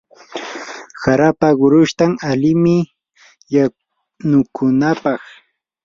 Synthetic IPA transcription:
saɾapaɢʊɾʊʃt̪aŋalɪmɪ | ja | nʊkʰʊnapɑχ

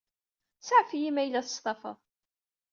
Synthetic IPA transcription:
saʕfijimæjlːæθə̥sˤt̪ˤɑfə̰ðˤ

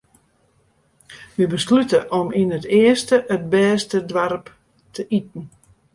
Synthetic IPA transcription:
ʋibəslytəʔɔminətɪəstəʔət̚bɛːstədʋarp | tʰəʔitn̩

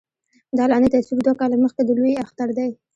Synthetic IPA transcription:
d̪ɑlɑnet̪aswibd̪wakɑlaməxkad̪əlojaxt̪aɾd̪aj

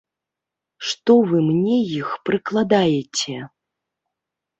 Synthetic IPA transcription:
ʂt̪ɔvɨmnʲɛjixpɾɨklˠad̪ajet͡sʲɛ

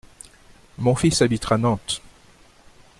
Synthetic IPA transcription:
mɔ̃fisabit̪χanɑ̃t̪

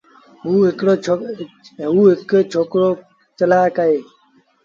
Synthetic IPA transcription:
ɦuːɦɪkɽoːt͡ʃʰo | ɦuːɦɪkeːt͡ʃʰoːkɾoː | t͡ʃəlaːkəɦeː

